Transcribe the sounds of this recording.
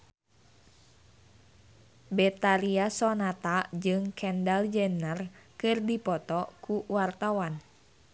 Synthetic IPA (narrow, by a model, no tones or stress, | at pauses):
bɛt̪aɾiasɔnat̪ad͡ʒɨŋkʰɛndald͡ʒɛnərkɨrdipɔt̪ɔkuwart̪awan